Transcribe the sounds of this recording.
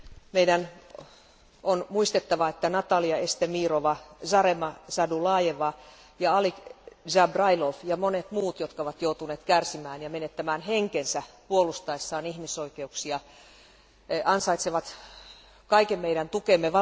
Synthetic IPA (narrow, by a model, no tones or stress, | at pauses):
meidæn | onmuist̪et̪ːɑʋɑet̪ːænɑt̪ɑliɑest̪emiːroʋɑsɑɾemɑsɑdulɑːjeʋɑ | jɑɑlikʒɑbrɑilofjɑmonet̪muːt̪jot̪kɑoʋɑt̪jout̪uneːt̪kærsimæːnjɑmenet̪ːæmæːnɦeŋkensæpuolust̪ɑisːɑːnihmisoikeuksiɑ | ɑnsɑit̪seʋɑt̪ | kɑikemmeiɾænt̪ukemːeʋɑ